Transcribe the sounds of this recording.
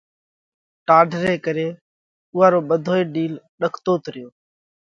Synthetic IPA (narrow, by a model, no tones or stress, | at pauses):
ʈaːɖʱɾeːkəɾeː | ʊːaːɾoːɓəd̪ʱoːeːɗiːlɗəkʰt̪oːt̪ɾɪjoː